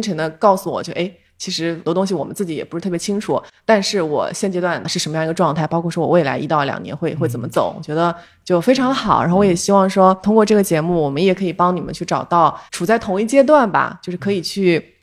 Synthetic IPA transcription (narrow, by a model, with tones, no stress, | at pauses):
ŋʈ͡ʂʰə˧˥ŋd̪ə˧kɑ˥˩ʊsu˨˩wɔ̰˨˩t͡ɕo˥˧˩ʔe˥˩ɪ | t͡ɕʰi˧˥ʂɻ̩˧˥˩t̪wɔ˥t̪ʊ˥ŋɕ̬i˨wɔ˨˩mə̰˦nt͡sɹ̩˥˩t͡ɕi˧˥jɛ˨˩pu˥ʂɻ̩˥˩t̪ʰjɛ˧˥t͡ɕʰi˥ŋʈ͡ʂʰu˨˩˦t̪a˥˧nʂɻ̩˥˩wɔ̰˨˩ɕjɛ˥˩nt͡ɕjɛ˥t̪wa˥˩nəʂɻ̩˥˩˧ə˧˥nm˧jɑ˥˩i˧˥ə˧ʈ͡ʂwɑ˥˧ŋt̪ʰa˥˩ɪpɑ˥ʊkʰwɔ˥˩ʂwɔ˥wɔ̰˨˩we˥˩ɪla̰˧˥ɪʔi˧˥t̪ɑ˥˩ʊljɑ̰˨˩ŋnjɛ̰˧˥nxwe˥˧ɪxwt͡sə˨˩mə˦t͡so̰˨˩˦ʊwɔ̰˨˩t͡ɕɥɛ˧˥d̪ə˧ | t͡ɕjo˥˩ʊfe˥ɪʈ͡ʂʰɑ˧˥ŋd̪ə˧xɑ˨˩˦ə˧˥xo˥˩wɔ˧˥jɛ˨˩ɕi˥wɑ˥˩ŋʂwɔ˥t̪ʰʊ˥ŋkwɔ˥˧ʈ͡ʂɤ˥˩ɡə˩t͡ɕjɛ˧˥mu˥˩wɔ˨˩mə˦njɛ˨˩kʰɤ˧˥i˨˩pɑ˥ŋni˨˩mə̰˦t͡ɕʰy˥˩ʈ͡ʂɑ˨˩ʊt̪ɑ˥˩ʊʈ͡ʂʰu˨˩t͡sa˥˩ɪt̪ʰʊ˧˥ŋi˥˩t͡ɕjɛ˥t̪̬wa˥˩nbɐ̰˩t͡ɕjo˥˧ʂɻ̩˥˩kʰɤ˧˥i˨˩t͡ɕʰy˥˩